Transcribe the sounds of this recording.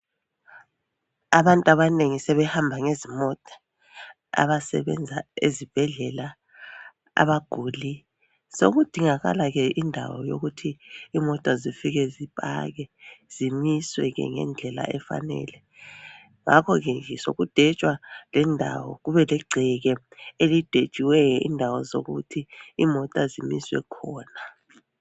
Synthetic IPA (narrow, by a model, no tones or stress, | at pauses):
aβantʼaβaneŋisɛβɛhambʱaŋezimɔtʼḁ | a̰βasɛ̰βɛ̰nd͡zʱaezib̥ʱɛɮɛla | a̰βaɡ̥ʱuli | so̰ɣud̥ʱiŋaɣa̰laɣɛindʱa̰wɔ̰jo̰ɣutʰiːmɔtʼazifiɣɛzipʼa̰ɣɛz̥imiswɛɣɛ̰ŋɛ̰nd͡ɮʱɛla̰ɛfa̰nɛ̰ːlɛ | ŋakʰɔɣɛɛso̰ɣud̥ʱɛt͡ʃʼwalɛndʱa̰wɔ̰ɣuβɛlɛɡ͡ǀʱɛɣɛelid̥ʱe̥t͡ʃʼiwɛjɔḭndʱawɔzo̰ɣutʰiːmɔtʼazimiswɛ̰kʰɔːna